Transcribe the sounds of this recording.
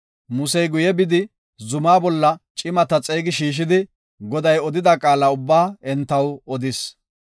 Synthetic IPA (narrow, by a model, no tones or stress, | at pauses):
mʊsɛjɡʊjɛbɪd̪ɪ | zʊmaːbɔlːɐt͡ʃʼɪmɐt̪ɐt͡sʼeːɡɪʃiːʃ̬ɪd̪ɪ | ɡɔd̪ɐjɔd̪ɪd̪ɐkʼaːlaʊbːaːɛnt̪ːɐwɔd̪ɪs